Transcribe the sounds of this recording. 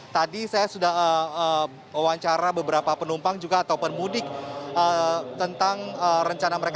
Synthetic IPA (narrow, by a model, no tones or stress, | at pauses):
t̪adisajasudahəə | əwaɲt͡ʃaɾabəbəɾapapənumpaŋd͡ʒuɡaːt̪awpənmudɪk̚ʔət̪ənt̪aŋərəɲt͡ʃanaməɾek